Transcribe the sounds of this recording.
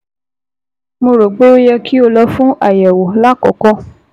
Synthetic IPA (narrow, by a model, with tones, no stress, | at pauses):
mo˧ɾo˨ɡ͡bo˦jɛ˧kʰi˦o˧lɔ˧fũ˦ʔa˦˨jɛ˨wo˨la˦kɔ̰˨kɔ˧